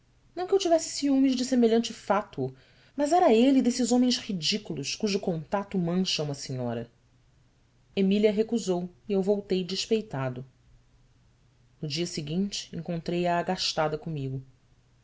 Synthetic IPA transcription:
nɐ̃w̃kɪewt͡ʃivɛsɪ̥siũmizd͡ʒɪsemeʎɐ̃nt͡ʃɪfat̪uʊ | mɐzɛɾɐelid̪esɪzõmẽj̃shid͡ʒikulˠʊʃkuʒʊkõnt̪at̪ʊmɐ̃ʃɐũmɐsĩɲɔ̰ɾɐ | emiliɐɦekuzowiewvowt̪ejd͡ʒiʃpejt̪ad̪ʊ | nʊd͡ʒiɐsiɡĩnt͡ʃɪ̥ẽŋkõnt̪ɾejaːɡaʃt̪ad̪ɐkõmiɡʊ

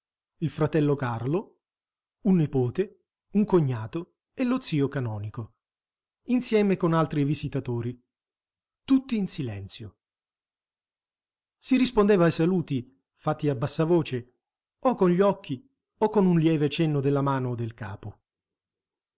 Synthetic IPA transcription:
ilfɾat̪ɛlːokarlo | unːipoːt̪e | uŋkoɲːaːt̪o | elot̪sːiːokanɔːniko | insjɛːmekonalt̪ɾivizit̪at̪oːɾi | t̪ut̪ːiːnsilɛ̰nt̪sjo | sirispond̪eːvaːjsaluːt̪i | fat̪ːiabːasːavoːt͡ʃe | okːonʎiɔkːi | okːonunljɛːvet͡ʃɛnːod̪elːamaːnod̪elka̰ːpo

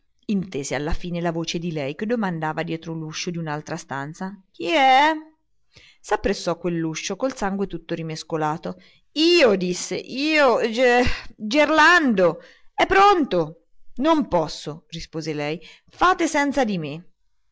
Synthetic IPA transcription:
int̪eːzealːafiːnelavoːt͡ʃed̪ilɛjk̟ed̪ːomand̪aːvad̪jɛːt̪ɾoluʃːod̪iunalt̪ɾast̪a̰nt̪sak̟iɛ | sapːɾesːɔkːwelːuʃːokolsaŋɡwet̪ut̪ːoɾimeskolaːt̪o | iːod̪isːḛʔiːod͡ʒd͡ʒerland̪o | ɛpːɾont̪o | nompɔsːorispoːzelɛj | faːt̪esɛnt̪sad̪ime

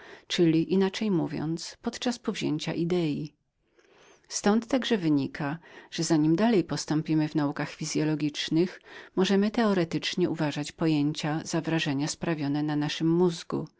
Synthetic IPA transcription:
t͡ʂɘlʲiʔinat͡ʂɛjmuvʲjɔ̰nt̪spɔt̪t͡ʂaspɔvʑeɲt͡ɕa̰ʔid̪ɛji | st̪ɔnt̪ːaɡʐɛvɘɲikʰaʐ̥ɛzaɲimd̪alɛjpɔst̪ɔmpʲimɘvnaukaxfʲizʲjɔlɔɡʲit͡ʂnɘxmɔʐɛmɘt̪ɛɔɾɛt̪ɘt͡ʂɲɛʔuvaʐat͡ɕpɔjeɲt͡ɕazavɾaʐɛɲaspɾavʲjɔnɛnanaʂɘmːuzɡṵ

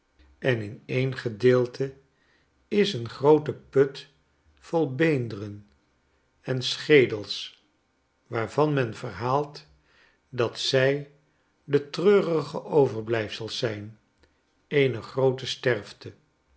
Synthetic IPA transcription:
ɛnɪnejnχədɪːlˠtʰə | ɪsənχrowtəpɵt | folˠbejndərən | ɛnsχejdəlˠs | ʋaːɹvɑnmɛnvəɹɦaːlˠt | dɑtsɛj | dətrøːrəχəʔowvəɹblɛjfsəlˠsɛjn | ejnəχrowtəstɛrftə

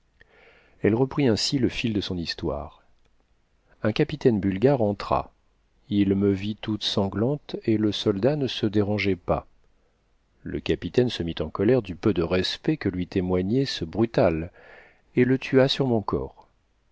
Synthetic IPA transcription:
ɛlʁəpχiɛ̃siləfild̪əsɔ̃nist̪wa̰ʁ | ɛ̃kʲapit̪ɛnbylɡʲaʁɑ̃t̪χa̰ | ilməvit̪ut̪sɑ̃ɡlɑ̃t̪eləsɔld̪anəsəd̪eʁɑ̃ʒepa̰ | lə̰kʲapit̪ɛnsəmit̪ɑ̃kɔlɛʁd̪ypød̪əʁɛspɛkəlɥit̪emwaɲɛsəbʁyt̪al | elət̪ʰyasyʁmɔ̃kɔ̰ːʁ

